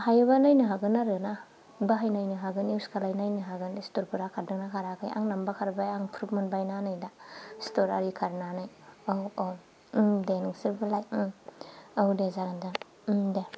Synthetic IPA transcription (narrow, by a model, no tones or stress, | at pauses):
hajabanajnɯɦaɡɯnaɾɯna | baɦajnajnɯɦaɡɯniwskʰalajnajnɯɦaɡɯnstoɾpʰuɾakʰaɾdɯŋnakʰaɾakʰajʔa̰ŋnambakʰaɾbajaŋpʰɾup̚mɯnbajnanajdastoɾaɾikʰaɾnanajowo | denɯŋsiɾbɯlaj | awdezaɾanda | de